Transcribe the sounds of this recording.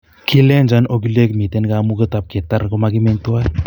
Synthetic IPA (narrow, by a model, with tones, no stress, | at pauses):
kʰi˦le˦nd͡ʒano˦k̬i˦le˦kmi˨te˦nkamu˦kə˦tap̚ke˨taɾkomaki˦meŋtu˦a˦